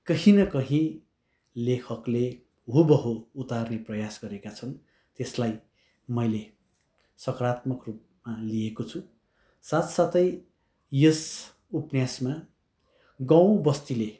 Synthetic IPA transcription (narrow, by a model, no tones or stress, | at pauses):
kʌɦinʌkʌɦĩ | lekʰʌkle | ɦubʌɦout̪arneprʌjasɡʌɾekat͡sʰʌn | t̪eslaj | mʌjle | sʌkrat̪mʌkrup̚maliekot͡sʰu | sat̪sat̪ʌj | jʌs | upnjasma | ɡʌ̃w̃bʌst̪ile